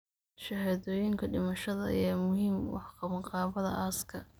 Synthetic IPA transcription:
ʃɐhaːðɔːjɪŋkʰɐɖɪmɐʃɐðɐ̰jaːmʊɦiːmwɑ̰ħqɑβɐɴqɑːβɐðɐ̰ʔaːskʰɐ

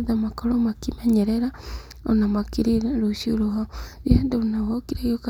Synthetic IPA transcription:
ðamakoɾomakimeɲeɾeɾa | onamakiɾiɾaɾuʃioɾoɦaβjeːndɛonawokiɾajoka

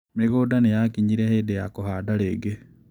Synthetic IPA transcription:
meɣodanejakiɲiɾehedejakohaːdaleːɡe

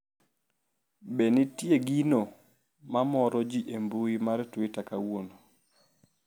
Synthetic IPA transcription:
benitjeɡino | mamɔɾɔd͡ʒiʔembuimaɾtʊitakawono

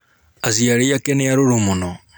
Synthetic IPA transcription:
aziaɾeakɛneaɾoɾomonɔ

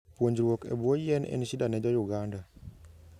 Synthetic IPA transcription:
pwoɲd͡ʒɾwokɛ̰bwɔjɛnɛ̰nisidanɛd͡ʒɔjuɡanda

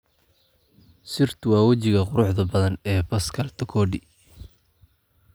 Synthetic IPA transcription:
sɪrt̪ʰʊwɑːwɐt͡ʃɪɣɐqʊɾʊħðɐbɐðɐnɛːbɐskʰɐlt̪ʰɐkʰɔːɖɪ

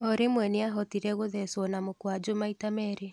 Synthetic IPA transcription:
oɾemwɛneaɦɔtiɾɛɣoðɛswɔnamokwad͡ʒomaitamɛɾe

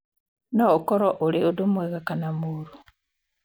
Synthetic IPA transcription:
nookoɾoʔoliodumweɣakanamuɾu

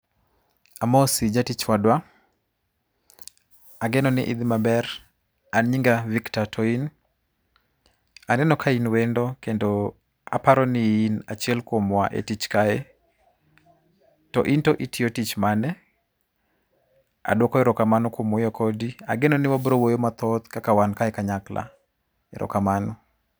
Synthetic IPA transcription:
amɔsid͡ʒatit͡ʃwadwa | aɡɛnɔnɪ̰ʔid̪imabɛɾ | anɲiŋɡaviktatʰɔin | anɛnɔkʰainwendɔkendo | a̰paɾɔnɪinat͡ʃiɛlkwomwa̰ʔḛtit͡ʃkaɛ | tɔ̰ʔintoʔitɪotit͡ʃmanɛ | a̰dwɔkɔɛɾɔkamanɔkwomɔjɔkʰɔdia̰ɡenɔnɪwabɾowojomat̪ɔt̪kakawankaɛkaɲakla̰ | ɛɾɔ̰kamanɔ

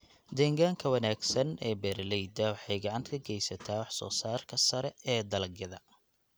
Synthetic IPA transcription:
d̪ɛːŋɡaːŋkʰɐwɐnaːɡsɐnɛːbɛrlɛjd̪ɐwɑħɑjɡɑʕɑnt̪ʰkʰɐɡɛjsɐt̪ʰaːwɑħsɔ̰ːsaːrkʰɐsɐɾɛɛːd̪ɐlɡjɐðɐ

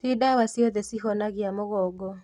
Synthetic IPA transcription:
tidawasjɔðɛsiɦɔnaɣjamoɣɔɡɔ

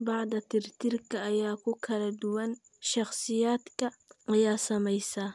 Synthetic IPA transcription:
bɑʕd̪ɐt̪ɪrt̪ɪrkʰɐːjaːkʰʊkʰɐlɐd̪ʊwɐn | ʃɑχsɪjaːd̪kʰɐ | ʔɐjaːsɐmɛjsa

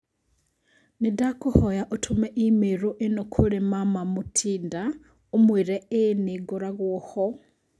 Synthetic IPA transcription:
nidakuhojaʔotʰumeʔimeɾoʔenokʰulemamamutʰiːnda | omwiɾeːniɡoɾaɣwoho

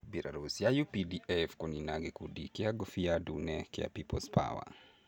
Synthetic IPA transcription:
bilʔa̰ɾusjajupidiʔɛfkɔninaɡikudikiaɡɔfiadunɛkɛa̰pipɔspʰa̰wa̰

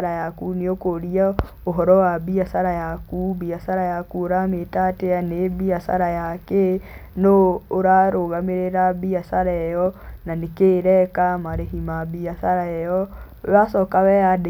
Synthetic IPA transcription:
ɾajakuneokoɾia | oɦɔɾɔwabiasaɾajakubiasaɾajakuoɾametateanebiasa̰ɾajakenɔoɾaɾoɣameɾeɾabiasaɾaɛjɔnanekeɾɛkamaɾehimabiasaɾaɛjɔ | wasɔkawɛjade

